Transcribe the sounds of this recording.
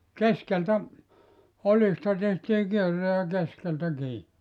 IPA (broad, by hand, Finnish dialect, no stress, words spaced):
keskeltæ olistɑ tehtiː kierːe jɑ keskeltæ kiː